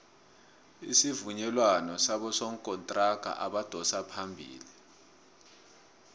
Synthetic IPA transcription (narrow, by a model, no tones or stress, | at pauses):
ḭsivuɲɛlwanɔsaɓɔsɔŋ̩kʼɔntʼraɡ̥ʱa̰ʔaɓad̥ʱɔsapʰambʱḭːli